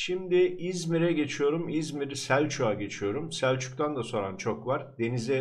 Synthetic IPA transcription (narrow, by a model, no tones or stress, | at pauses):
ʃimd̪ɪizmiɾɛɟe̞t͡ʃʰijo̞ɾumizmiɾsælʲt͡ʃʰuaɟe̞t͡ʃʰijo̞ɾumsælʲt͡ʃʰu̥k̚t̪ʰand̪aso̞ɾant͡ʃʰokvaɾd̪e̞nizʲe